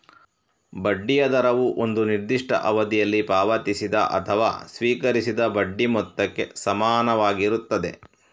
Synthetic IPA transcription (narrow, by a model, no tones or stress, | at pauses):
bɐɖːijɐd̪ɐɾɐʋuʔond̪uniɾd̪iʂʈɐ̰ʔɐʋɐd̪ijɐlːipaːʋɐt̪isid̪ɐ̰ʔɐ̰t̪ʰɐʋa̰ːsʋiːkɐɾisid̪ɐbɐɖːimɔt̪ːɐkːe̞sɐmaːnɐʋaːɡiɾut̪ːɐd̪e̞̰